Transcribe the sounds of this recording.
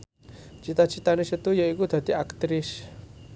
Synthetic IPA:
t͡ʃit̪at͡ʃit̪anesət̪ujəikud̪a̤d̪iakt̪ɾɪs

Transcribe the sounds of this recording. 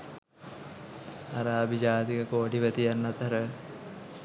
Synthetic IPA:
aɾaːbʱid͡ʒaːd̪ikəkoːʈiʋæt̪ijanːat̪əɾə

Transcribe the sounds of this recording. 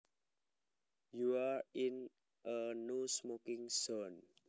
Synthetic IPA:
juaɹin | ʔənusmokɪ̃ŋson

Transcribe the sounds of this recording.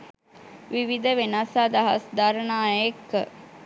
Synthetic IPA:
ʋiʋid̪əʋenasaːd̪aɦɐ̰sd̪aɾənaːjekːə

